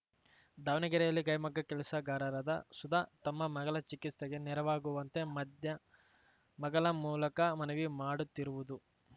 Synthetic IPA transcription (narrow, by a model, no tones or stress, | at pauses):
d̪aːʋnɐɡɐɾɛjɐlːiɡɐjɐmɐɡːɐkɛlɐsɐɡaːɾɐɾɐd̪ɐsud̪aːt̪ɐmːɐmɐɡɐɭɐt͡ʃikit̪sɐɡe̞nɛɾɐʋaːɡuʋɐnt̪e̞mɐd̪jɐ | mɐɡɐɭɐmuːlɐkɐmɐnɐʋimaːɽut̪ːiɾuʋud̪u